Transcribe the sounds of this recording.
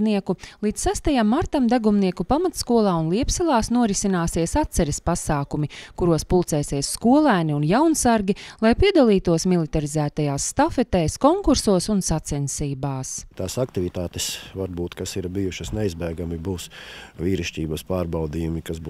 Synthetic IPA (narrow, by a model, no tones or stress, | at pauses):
niɛkulˠiːt̪sːæst̪ajamːaɾt̪amd̪aɡumniɛkupamat̪skuɔlˠaːunlˠiɛpsɛlˠaːsnuɔɾisinaːsiɛsat̪sɛɾɛspasaːkumikuɾuɔspulˠt̪sɛːsiɛsskuɔlˠæːniunjawnsaɾɡʲilˠajpiɛd̪alˠiːt̪uɔsmilˠit̪aɾizæːt̪ajaːsːt̪afɛt̪ɛːskɔŋkuɾsuɔsunsat̪sɛnsiːbaːst̪aːsakt̪iʋit̪aːt̪esʋaɾbuːt̪kasiɾbijuʃɐsneizbæjɡamibuːsʋiːɾiʃcʲiːbɐspaːɾbawd̪iːjumikazbu